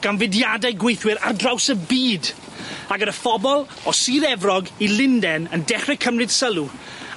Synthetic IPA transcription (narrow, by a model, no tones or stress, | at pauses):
ɡ̥anvɪdjadɛjɡwejθwɪɾardrawsəbiːd | aɡəɾəfɔbɔlˠ | ɔsiːɾɛvrɔɡilˠɪndɛnəndɛχrɛkʰəmrɨd̥səlˠu